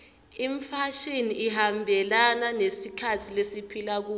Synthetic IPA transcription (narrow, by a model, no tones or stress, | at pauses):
iɱfaʃiniiɦambʱɛlananesikʰatʰilesipʰilak̬uː